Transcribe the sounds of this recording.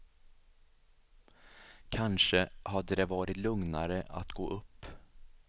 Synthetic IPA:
kʰanʂəhad̪ːəd̪ɛvɑːɾɪt̪lɵŋnaɾəʔa̰t̪ɡo̰ːʔɵpː

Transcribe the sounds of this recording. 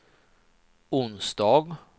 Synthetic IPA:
ʊnsd̪ɑːɡ

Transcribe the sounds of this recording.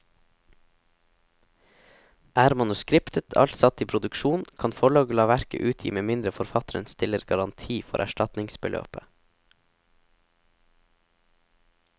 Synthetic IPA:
ʔæːɾmɑnʉskɾɪpt̪ʰət̪ʰɑ̰ʎt̪sɑt̪iːpʰɾʊd̪ʉkʃuːnkʰɑnfɔɭɑːɡəlɑːʋæɾkə̰ʔʉːt̪ʰjḭːmeːmɪnd̪ɾəfɔɾfɑt̪ɾə̰nst̪ɪləɾɡɑɾɑnt̪ʰiːfɔ̰ɾʔæ̰ʃʈɑt̪nɪŋsbəlʔø̰ːpə

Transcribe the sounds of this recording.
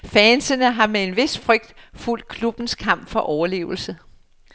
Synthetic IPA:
fɛnsənəɦɑ̈mee̝nʋe̝sfʁœɡ̥̚d̥ful̰d̥̚kʰlub̥n̩skʰɑ̈m̰b̥fɒ̽ʔɒʊɐle̝̰ːʊl̩sə

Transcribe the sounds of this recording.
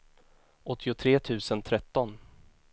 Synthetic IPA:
ʔɔt̪ʰːɪʊt̪ʰɾeːt̪ʰʉ̟ːsənt̪ʰɾɛt̪ːɔn

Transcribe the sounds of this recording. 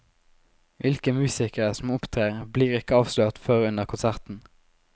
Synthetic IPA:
ʋɪlkəmʉːsɪkəʁəsɔm̩ʊpt̪ʰʁeːʁbliːʁɪkəɑːʋsløːʁt̪føːʁʉnəʁkʰʊnsæʁt̪n̩

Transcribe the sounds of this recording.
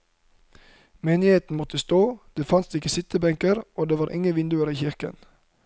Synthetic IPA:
meːnɪheːt̪n̩mɔt̪əst̪oːd̪̥eːfɑnsɪkəsɪt̪əbɛŋkəɾʔoːd̪eːʋɑːɾʔɪ̰ŋəʋɪnd̪ʉəɾiːçɪɾkə̰n

